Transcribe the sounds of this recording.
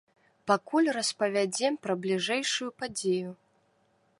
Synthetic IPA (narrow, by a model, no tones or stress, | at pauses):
pakulʲrɐspɐvʲad͡zʲɛmpɾɐblʲiʐɛjʂujupad͡zʲeju